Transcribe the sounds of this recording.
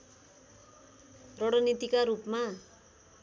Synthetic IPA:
rʌɽʌnit̪ikaɾupma

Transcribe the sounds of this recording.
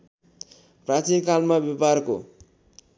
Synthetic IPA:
prat͡sinkalmabeparko

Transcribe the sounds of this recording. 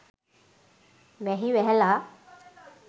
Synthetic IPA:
ʋɛɦiwɛɦɛla

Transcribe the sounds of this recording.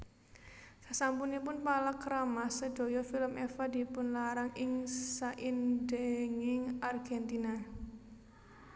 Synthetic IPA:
sasampunipʊnpalakɾamasəɖ̪̥o̤jɔfiləmʔɛfad̪i̤pʊnlaɾaŋɪŋsaʔindɛŋɪŋarɡ̥ɛnt̪ina

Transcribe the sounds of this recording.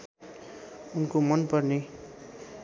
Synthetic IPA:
unkomʌnpʌrne

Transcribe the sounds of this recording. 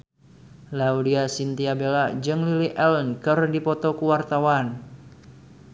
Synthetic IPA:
laudiasint̪iabelad͡ʒɨŋliliʔɛlnkɨrdipɔt̪ɔkuwart̪awan

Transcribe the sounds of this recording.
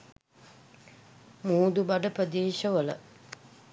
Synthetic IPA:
muːd̪ubaɖəpɾəd̪eːʃəʋələ̰

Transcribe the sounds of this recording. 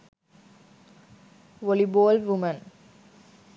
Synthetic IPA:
ʋoliboːlʋumə̃n

